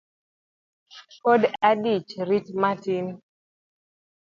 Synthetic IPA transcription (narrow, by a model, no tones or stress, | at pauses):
podadit͡ʃɾitmatin